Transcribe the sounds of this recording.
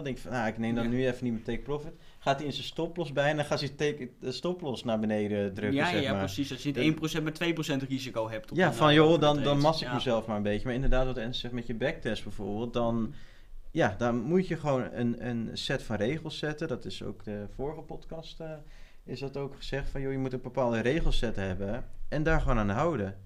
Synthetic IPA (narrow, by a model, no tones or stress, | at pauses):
ndɛŋkɪkfɔnjaɪknejmdɔnnyɛfənitmɛtek̚profɪt | χaːtiɪnsənstɔplɔsbɛjndaχaːtətekstɔplɔsnaːɹbənejdədrøkəsɛmaːsisdtɪjnitejnprosɛnmatʋejprosɛntrizikowɦɛp̚tjafɔnjodɔndɔnmɑsɪkməzɛlˠfmaːrə̃mbejtəmaːɹɪndərdaːtʋɑtɛnsɛχmɛtjəbɛk̚tɛsbɛjv̥ʊːɹbeːlˠt̚dɔn | jadɔnmutjəχəʋownə̰nə̰nsɛtfɑnrejχəlˠsːɛtədɔtɪso̰wkdəfoːɹəχəpɔtkɑstə | ɪsdɑtowkχə̥z̥ɛχtfɑnjojəmutənbəpaːlˠdərejχəlˠsɛtɦɛbəɛndaːɹχəʋoːnaːndəɦawdə